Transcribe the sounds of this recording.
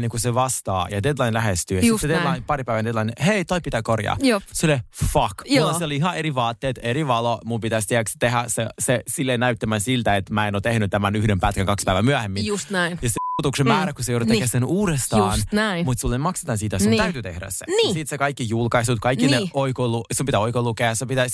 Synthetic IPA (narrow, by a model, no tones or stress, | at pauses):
neŋkuseʋɑst̪ɑ̰ːjɑded̪lɑinlæhest̪yøjsissed̪elɑinpɑɾipæiʋænded̪lɑinheit̪oipːit̪ækorjɑ̰ːjoseolefɑkjouleseoliiɦɑeɾiʋɑːt̪ːeːt̪eɾiʋɑlomumpit̪æst̪iækst̪eɦæsesesilːenæyt̪ːæmænsilt̪æet̪mæːenot̪ehnyt̪t̪æmænyhdempæt̪kæŋkɑkspæiʋæmyæhemːinust̪næinjɑset̪uksemæːɾækusejouɾutt̪ekesenuːɾest̪ɑuːsnnæimut̪sulːemɑkse̥t̪ɑnsit̪æsunt̪æyt̪yt̪ḛhɾæ̰ssḛniːsit̪sekɑikːijulkɑisut̪kɑikːinneoikolusumpit̪æoikolukeɑsepit̪æs